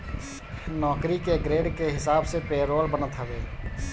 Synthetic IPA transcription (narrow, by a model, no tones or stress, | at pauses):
nɔːkɾikeɡɾeːɖkeɦɪsaːbsepeːɾoːlbənət̪ɦəbeː